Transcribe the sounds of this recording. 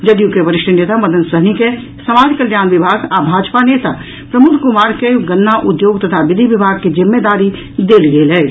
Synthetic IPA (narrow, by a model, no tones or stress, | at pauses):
d͡ʒəd̪jukeʋəɾɪʃʈʰəneːt̪amɐd̪ʱənsəɦnike | səmaːd͡ʒkəljaːnʋɪbʱaːɡaːbʱaːd͡ʒpaneːt̪a | pɾəmʊk̪ʰkʊmaːɾkeɡənːaʔʊd̪joːɡt̪ət̪ʰaʋɪd̪ʱiʋɪbʱaːɡkid͡ʒɪmːed̪aːɾi | d̪eːlɡeːlɦɛː